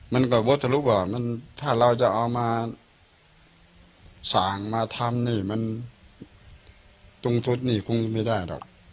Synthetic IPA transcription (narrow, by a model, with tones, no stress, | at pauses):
ma˧˥˨nkɔː˧˩bo˧˦˥t̪̚ʰːa˧luː˧˥p̚bɔː˨˩ma˧˥˨nt̪ʰaː˧˩ɾa˧wt͡ɕa˨˧˩ʔa˧wmaː˧ | saː˨˩˦ŋmaː˧t̪ʰa˧mniː˧˩ma˧˥˨n | t̪u˧ŋt̪ʰu˦˥t̪̚niː˧˩kʰu˧ŋ˧˩ma˧˩˨daː˧˥˩jdɔ̰ː˨˩k̚